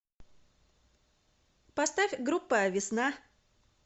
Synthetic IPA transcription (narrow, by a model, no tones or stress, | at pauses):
pɐst̪afʲɡɾupːəjəvʲɪsna